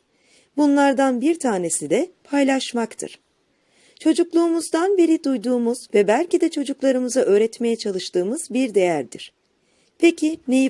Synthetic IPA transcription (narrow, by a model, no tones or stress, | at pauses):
bunlˠaɾd̪anbiɾt̪ʰaːne̞sid̪ɛpʰajlˠaʃmakt̪ʰɯ̰ɾ̥ | t͡ʃʰo̞d͡ʒuklˠuːmuzd̪anbiɾid̪ujd̪uːmuz̥vɛbælʲcid̪ɛt͡ʃʰo̞d͡ʒuklˠaɾɯmɯzaʔø̞ːɾɛt̪me̞jɛt͡ʃʰalˠɯʃt̪ɯːmɯz̥biɾd̪e̞jæɾd̪ḭɾ̥ | pʰecineji